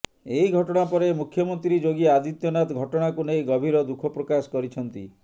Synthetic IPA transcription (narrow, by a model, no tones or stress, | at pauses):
ejɡʱɔʈɔɽ̃apɔɾemukʰjɔmɔnt̪ɾid͡ʒoɡiead̪it̪jɔnat̪ɡʱɔʈɔɽ̃akunejɡɔbʱiɾɔd̪ukʰɔpɾokasɔ̥kɔɾit͡ʃʰɔnt̪ḭ